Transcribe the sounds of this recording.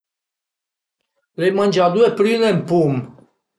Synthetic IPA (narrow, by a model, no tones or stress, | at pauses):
lejmanʲd͡ʒad̪uepɾinɛmpum